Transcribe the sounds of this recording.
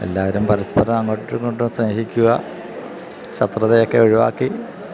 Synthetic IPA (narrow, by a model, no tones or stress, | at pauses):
e̞̰lːaːʋɐɾumpɐɾɐspɐɾɐmɐŋːoʈːuŋkoɳɖumsne̞ːɦikʲːuɣɐ̰ | ɕɐt̪rɐðejo̞kːe̞oɻiʋa̰ːkːi